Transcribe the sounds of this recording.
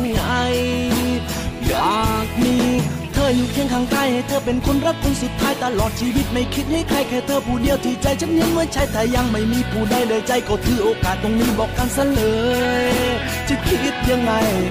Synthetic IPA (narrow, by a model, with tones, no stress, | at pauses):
ŋa˧j | jaː˨˩k̚miː˧˥˩t̪ʰɤː˧˩ɲu˧˨˩kʰɛ˧˥˩ŋkʰa˧˩ŋk̪aː˧˩˨jha˧˥˩jt̪ʰɤː˧˩pe˧˨nkʰo˧˥nɾa˦˧˥p̚kʰu˧˥nsu˨˩t̪ʰːaː˦˥jt̪a˧lɔː˨˩t̪̚t͡ɕʰiː˧wi˦˥t̪̚ma˧˩jkʰi˦˥t̪̚ha˧˥˩jkʰaː˧˩jkʰɛː˧˩t̪ʰɤː˧˩pʰuː˨˩di˧əwt̪ʰiː˧˩t͡ɕa˧˩jt͡ɕʰa˧˥n̚ni˧˥ŋmɯ˧˥˨jt͡ɕʰa˦˥jt̪ʰɛː˨˩ja˧ŋma˥˩jmiː˧˥pʰuː˧˩daː˧˩jdaː˧jt͡ɕa˧˩jkɔː˧˩t̪ʰɯː˧˩ʔoː˧kaː˨˩t̪̚ːo˧ŋniː˦˥˩bɔː˨˩k̚ːaː˧nsa˧˥lɤː˨˧˦j | t͡ɕi˨˩t̪̚kʰi˧˦˥t̪̚ja˧ŋːa˧j